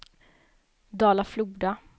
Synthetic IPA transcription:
d̪ɑːlafluːɖa

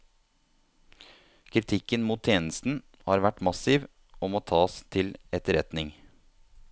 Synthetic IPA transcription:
kʰɾɪt̪ʰɪkənmuːt̪ʰːjeːnəst̪n̩ | hɑːɾʋæʈmɑsɪʋ | ɔmoːt̪ʰɑːst̪ʰɪlɛt̪əɾɛt̪nɪŋ

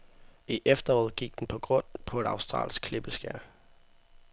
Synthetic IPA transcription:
iʔefd̥ɐɒːð̞̩̰ˠɡ̥iɡ̥̚d̥en̩pʰɒ̽ɡ̥ʁɔ̽n̰pʰɒ̽e̝d̥ɑ̈ʊsd̥ʁɑ̰̈ːlsɡ̥̚kʰle̝b̥əsɡ̥æɐ̰

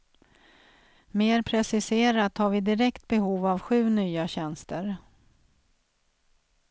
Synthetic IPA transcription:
meːɾpʰɾɛsɪseːɾat̪haɾvɪd̪ɪɾɛkt̪̚bɛɦuːvavɧʉ̟ːnyːaɕɛnst̪əɾ

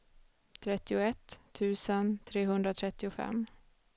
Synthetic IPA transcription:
t̪ʰɾɛt̪ːɪʊɛt̪ʰːʉ̟ːsənt̪ʰɾeːɦɵnd̪ɾat̪ʰɾɛt̪ːɪʊfɛ̰mː

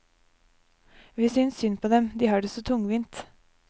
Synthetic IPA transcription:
ʋɪːsʏnssʏnpʰoːd̪ɛmd̪iːhɑːɖɛsɔt̪ʰʊŋʋiːnt̪

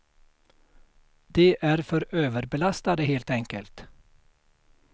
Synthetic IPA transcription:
d̪̥ɛʔæɾfœɾøːvəɾbɛlast̪ad̪əɦeːlt̪ɛŋkəlt̪

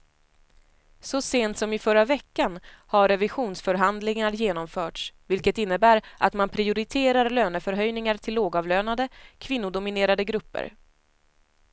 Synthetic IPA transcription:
sɔseːnt̪sɔmɪfœɾːavɛkːanhaɾːɛvɪɧuːnsfœɾɦand̪lɪŋaɾjeːnɔmfœːʈsvɪlkət̪ɪnːəbæːɾʔat̪manpʰɾɪʊɾɪt̪ʰeːɾaɾløːnəfœɾɦœjnɪŋaɾʈ̪ʰɪlːoːɡɑːvløːnad̪əkʰvɪn̪ːʊd̪ʊmɪneːɾad̪əɡɾɵpːə̰ɾ

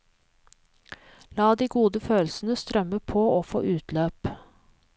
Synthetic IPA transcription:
lɑːd̪iːɡuːd̪əføːlsn̩əst̪ɾœməpʰooːfo̰ːʔʉːt̪løːp

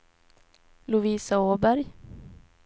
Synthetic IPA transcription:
lʊviːsaoːbæɾj

